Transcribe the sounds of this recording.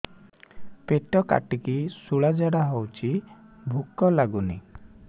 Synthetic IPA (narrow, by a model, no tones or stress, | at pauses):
peʈɔka̰ʈikisuɭad͡ʒaɽaɦowt͡ʃʰibʱukɔlaɡunḭ